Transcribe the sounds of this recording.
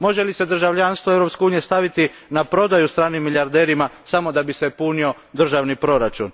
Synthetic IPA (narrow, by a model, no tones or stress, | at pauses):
mo̞ʒe̞lise̞d̪r̩ʒaʋʎanst̪ʋoeʋɾo̞pskeuːnijest̪aʋit̪i | napɾo̞d̪ajust̪ɾaːnimːiljaɾd̪e̞ːɾimasamo̞d̪abise̞punio̞ | d̪r̩ʒaʋnipɾo̞ɾat͡ʃṵn